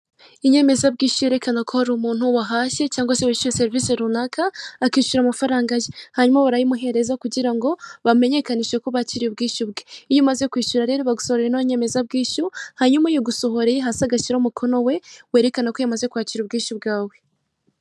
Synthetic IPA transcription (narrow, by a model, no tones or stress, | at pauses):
iɲe̞me̞zab̚ɡiːʃuje̞ɾe̞kanakʰohaɾumuːn̥huwaɦaʃe̞caːŋɡwasewaiʃuɾese̞ɾiviseɾunakʰaːkiːʃuɾamafaɾaːŋɡajehaɲumaβaɾajimuɦe̞ɾe̞zakuɟiɾaŋɡo̞βame̞ɲe̞kaniʃekoβaciɾiubɡiːʃub̚ɡeijumaze̞kwiːʃuɾaɾeɾoβaɡusohoɾɾenoɲe̞me̞zab̚ɡiːʃuhaɲumajoɡuso̞ɦo̞ɾeɦasaɡaciɾamukʰo̞no̞we̞we̞ːɾe̞kanako̞jamazekuaːciɾub̚ɡiːʃub̚ɡaːwe̞